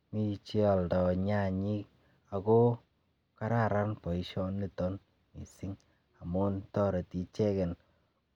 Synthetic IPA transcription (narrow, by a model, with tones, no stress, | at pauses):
mi˦t͡ʃe˦a˨ldɔ˨ɲa˦˨ɲi˦k | a˨ko˦ | ka˦ɾa˦ɾa˦npɔ˨i˦ʃɔ˦nli˦˨tɔ˦n | mḭ˨sɪ˦ŋ | a˨mʊ˦ntɔ˦ɾe˨ti˨t͡ʃɛ˦kɛ˨n